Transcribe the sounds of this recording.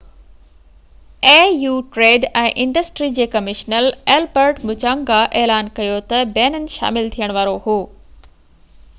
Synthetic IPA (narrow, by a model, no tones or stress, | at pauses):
eːjuːʈɾeːɖɛ̃ːʔɪ̃ɳɖəsʈɾid͡ʑeːkɐmɪʃnəleːlbəɾʈmʊt͡ɕãːŋɡaʔeːlaːnkɐjot̪ɐbɛːnənɪ̆ʃa̰ːmɪlt̪ʰijəɽ̃ʋaːɾohoː